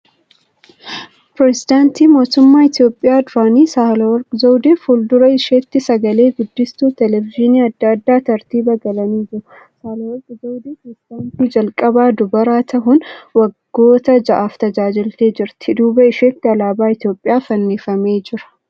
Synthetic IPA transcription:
pɾɛsɪd̪aːnt̪iːmo̞ːt̪ʊmːaːɪt̪jo̞ːpʼːɪjaːd̪ʊɾaːniːsahlɐwɐɾkʼzɐwd̪eːfʊld̪ʊɾɐɪʃeːt̪ːɪsɐɡɐle̞ːɡʊd̪ːɪst̪uːt̪ɛlɛvɪʒɪniːɐd̪ːad̪ːaːt̪ɐɾt̪iːbɐɡɐlɐniːd͡ʒɪɾʊ | saːlɐwɐɾkʼd͡ʒɐwd̪eːpɾɛsɪd̪aːnt̪iːd͡ʒɐlkʼɐbaːd̪ʊbɐɾaːt̪ʰɐɦʊnwɐɡːo̞ːt̪ɐd͡ʒɐʔaːft̪ɐd͡ʒaːd͡ʒɪlt̪eːd͡ʒɪɾt̪ɪd̪uːbɐɪʃet̪ːɪɐlaːbaːɪt̪jo̞ːpʼːɪjaːfɐnːiːfɐme̞ːd͡ʒɪɾɐ̥

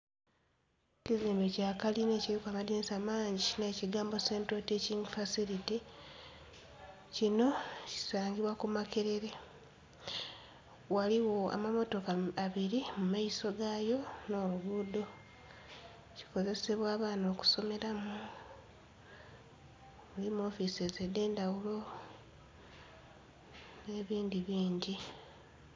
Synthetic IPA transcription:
ciziːmbecaːkaline̞ːciɾikwamadinisamaːɲɟine̞ːciɡaːmbo̞se̞ːntoteciŋfasiɾiti | cino̞ci̥saːɲɡiβwakumakeɾe̞ɾe̞ | waliwo̞a̰mamo̞to̞kaaβiɾimumaiso̞ɡaːjo̞no̞ːβuβuːd̪o̞ | ci̥ko̞ze̞se̞βwaːβaːno̞ːku̥so̞me̞ɾamu | ulimo̞ːfisezede̞ːndawulo̞ | ne̞ːβiːndiβiːɲɟi

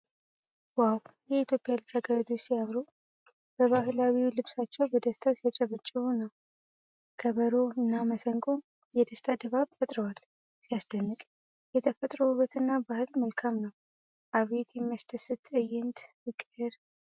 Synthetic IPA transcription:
wawjɛit̪ʰjo̞pʼɪjalɨbsaɡəɾad͡ʒ̪osijamɾu | b̥əβaɦɨlawiulɨβsat͡ʃːɛwbɔd̪əst̪ʰasijat͡ʃʼɛβət͡ʃʼːɛunəw | kʰəβəɾoɨnːaməsəŋkʼo | jɛd̪əst̪ʰad̪əβaβfət̪ʼɾəwal | sijasd̪ənːɨkʼ | jɛt̪ʰəfət̪ʼɾoβət̪ɨnːabahɨlməlkʰamnəw | ʔaβe̞t̪jɛmːaʃt̪ʰəsɨt̪ʼɨjɪnt̪ʰ | ɨkʼɨɾ

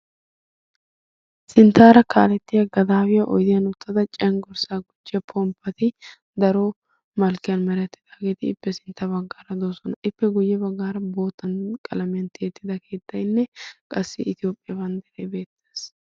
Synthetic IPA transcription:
sɪnt̪ːaːɾɐkʰaːlɛt̪ːɪjɐɡɐd̪aːwɪjɐʔɔ̰jd̪ɪjɐnʊt̪ʰːɐd̪ɐt͡ʃʼɛŋɡɔɾsaːɡʊd͡ʒːɪjɐpʰɔmpːɐt̪ɪ | d̪ɐɾo | mɐlkːɪjɐnmɐɾɐt̪ːɪ̥d̪̥aːɡeːt̪ɪɪpːɛsɪnt̪ːɐbɐɡːaːɾɐd̪oːsɔnɐʔɪpːɛɡʊjːɛbɐɡːaːɾɐbo̞ːt̪ːɐnkʼɐlɐmɪjɐnt̪ɪjɛt̪ːɪd̪ɐkʰe̞ːt̪ːɐjnːɛkʼɐsːɪɪt̪ɪjo̞ːpʼːɪjɐbɐnd̪ɛɾejbe̞ːt̪ːeːs

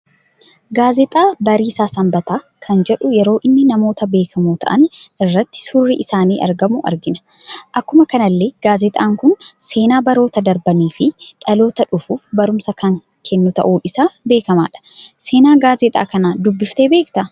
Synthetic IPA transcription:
ɡaːzɛt̪ʼaːbɐɾiːsaːsɐmbɐt̪aː | kʰɐnd͡ʒɛᶑʊjɛɾo̞ːʔɪnːɪnɐmo̞ːt̪ɐbe̞ːkʰɐmuːt̪ʰɐ̰ʔɐnʔɪrːɐt̪ːɪ̥sʊrːɪʔɪsaːnḭːʔɐ̰ɾɡɐmʊʔɐ̰ɾɡɪnɐ̥ | ʔɐkːʊmɐkɐnɐlːe̞ːɡ̥aːzɛt̪ʼaːŋkʊnse̞ːnaːbɐɾo̞ːt̪ɐd̪ɐɾbɐniːfɪᶑɐlo̞ːt̪ɐᶑʊfuːfbɐɾʊmsɐkɐŋ | kʰɛnːʊt̪ɐ̰ʔuːᶑɪsaːbe̞ːkɐma̰ːᶑɐ̥se̞ːnaːɡaːzɛt̪ʼa̰ːkɐnaːd̪ʊbːɪft̪eːbe̞ːkt̪ɐ

